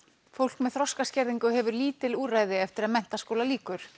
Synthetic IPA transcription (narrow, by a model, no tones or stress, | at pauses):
fowl̥kmɛðθɾɔskascɛɾðiŋkʏɦɛvʏɾliːt̪ɪluːraːjðɪɛft̪ɪɾaðmɛn̥t̪askoːwlaliːkʏɾ̥